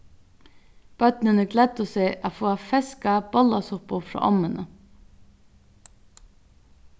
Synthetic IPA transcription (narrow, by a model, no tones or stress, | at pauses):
b̥œd̪nənəɡlɛd̪əseːʔɑːfoːɑfɛskɑb̥ɔlɑsʊpʊfɾɑ̰ːʔɔmənə